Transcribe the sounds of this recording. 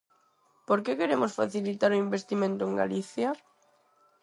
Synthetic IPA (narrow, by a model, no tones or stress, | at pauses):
poɾkekeɾemosfaθilit̪aɾoimbest̪imẽnt̪oẽŋɡa̰liθja